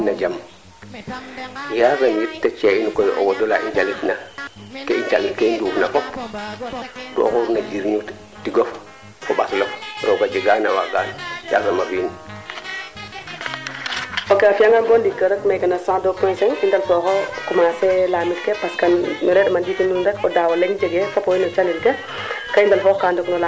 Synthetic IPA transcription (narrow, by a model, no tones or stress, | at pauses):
nad͡ʒam | jazamjittːat͡ʃeinkojʔo̰wodolaʔḭnd͡ʒalitnakeind͡ʒa̰litkeindufnafop | to̰koɾnaɡiɾɲu | tiɡof | koɓaslokɾokad͡ʒeɡanawa̰ɡa̰nja̰zamafin | okeafijaŋanbondikːəɾəkmekanasãdopɔnseŋindalfɔːkɔkumaselamitkepaskanɔɾedmanditinuɾndekodawoleŋd͡ʒeɡefopoinot͡ʃalilke | kaindalfokandoknola